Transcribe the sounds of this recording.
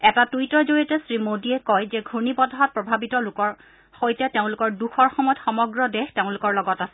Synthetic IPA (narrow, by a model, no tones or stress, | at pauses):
ɛtatujtɔzoɹiɔtɛsɹimodiɛkɔjzɛɡʱuɹnibɔdʱaɦɔt̚pɹɔbʱabitɔlʊkɔɹ | xojtɛteʊ̃lʊkɔɹduxɔɹxɔmɔjɔtxɔmɔɡɹɔdɛxteʊ̃lʊkɔɹlɔɡɔtasɛ